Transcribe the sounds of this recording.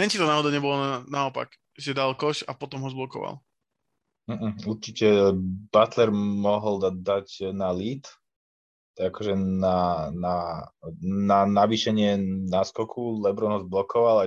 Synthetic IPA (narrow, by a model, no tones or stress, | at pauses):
nɛnt͡ʃit̪ɔnaɦɔd̪aɲɛbɔlɔanaɔpa̰k | ʒɛd̪alkɔʃapɔt̪ɔmɦɔzblɔkɔ̰ʋa̰l | m̩ɦm̩uɾt͡ʃicɛbat̪lɛɾmɔɦld̪ad̪acnaliːt̪ | akɔʒɛnana | nanaʋiʃɛɲɪɛnaskɔkʰulɛbɾɔnɦɔzblɔkɔʋala